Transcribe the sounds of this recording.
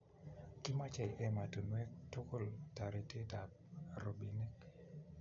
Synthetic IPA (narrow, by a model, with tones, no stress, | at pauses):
kɪ˦ma˦t͡ʃɛ˨jɛ˦ma˨to˨nwɛ˦k̚to˦ko˦˨lta˨ɾe˨te˦ta˨t | ɾo˨bi˨ne˦k̚